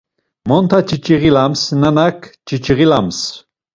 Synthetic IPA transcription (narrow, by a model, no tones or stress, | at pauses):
mɔnt̪ʰat͡ʃʰʼit͡ʃʼiɣilamsnanakʰt͡ʃit͡ʃʰʼiʁilams